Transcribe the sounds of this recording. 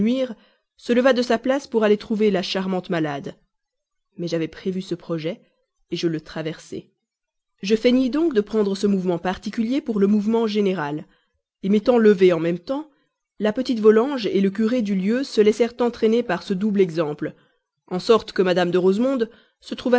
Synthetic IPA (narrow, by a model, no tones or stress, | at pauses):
ɥiːʁ | sələvad̪əsaplaspuʁalet̪χuvelaʃaʁmɑ̃t̪malad̪ | mɛʒavɛpχevysəpχɔʒɛ | eʒələt̪χavɛʁsɛ̰ | ʒəfenid̪ɔ̃kd̪əpχɑ̃d̪ʁəsəmuvmɑ̃paʁt̪ikʲyljepuʁləmuvmɑ̃ʒeneʁal | emet̪ɑ̃ləveɑ̃mɛmt̪ɑ̃ | lapət̪it̪vɔlɑ̃ʒelək̬ʲyʁed̪yljøsəlɛsɛʁt̪ɑ̃t̪χenepaʁsəd̪ublɛɡzɑ̃pl | ɑ̃sɔʁt̪kəmad̪amd̪əʁozmɔ̃d̪ | sət̪χuva